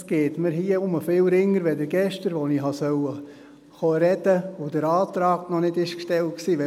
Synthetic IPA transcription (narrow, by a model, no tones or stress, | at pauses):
sɡ̥eːtmɪɾɦiːəʊməfɪlɾɪŋːəɾʋɛdəɾɡɛʃtəɾʋoniɦɑsœwə | χɔɾɛdəod̥əɾɑːtɾɑːɡnɔnɪdɪʃkʃtɛlt̚ksiːʋɛ